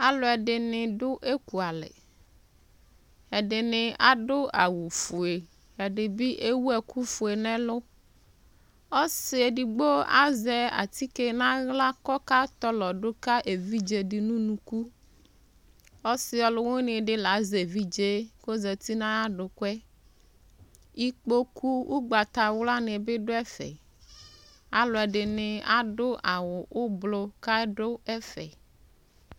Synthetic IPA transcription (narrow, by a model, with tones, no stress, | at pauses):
a˨lo˨ɛ˨ɖɪ˨nɪ̃˨ɖʊ˦ʔe˦ku˨a˨lɛ̰˨ | ɛ˨ɖɪ˨nɪ̃˨a˨ɖʊ˦a˨wu˨fu˨e˨ | ɛ˨ɖɪ˨bi˦ʔe˦wu˦ɛ˨ku˦fu˨e˨nɛ̃˦lʊ˦ | ɔ˦sɪ˨e˨ɖi˨ɡ͡bo˦a̰˦zɛ˨a̰˨t̪i˦ke˦nã˦ɣla˦kɔ˦ka˦t̪ɔ˦lɔ˨ɖo˦ka˦ʔe˨vi˦d͡ʒe˨ɖi˨nũ˦nũ˨ku˦ | ɔ˦si˦ɔ˨lo˨ŋõ˦nẽ˨ɖe˦la˨˦ze˨vi˦d͡ʒe˦ko˦zɛ˨t̪i˦nã˦a˦ɖo˨kɛ˦ | i˦k͡po˦ku˦wʔo˦ɡ͡ba˨t̪a˨wla˦nẽ˨be˦ɖo˦ɛ˦fɛ̰˨ | a˦lo˨ɛ˨ɖe˨ne˨a˦ɖo˦ʔa˨wo˨o˦blo˦ka˦ɖo˦ɛ˦fɛ̰˨